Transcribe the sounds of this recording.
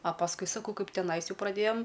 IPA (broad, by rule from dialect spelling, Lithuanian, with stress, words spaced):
ɐ pɐsˈkʊɪ sɐˈkɐʊ ˈkɐɪp tʲɛˈnɐɪs ˈjɛʊ prɐˈdʲeːjɛm